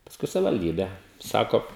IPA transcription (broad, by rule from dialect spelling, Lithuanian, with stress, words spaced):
pɐsˈkʊɪ sɐʋʲɪʋɐlʲˈdʲiːbʲɛ ˈsɑːkoː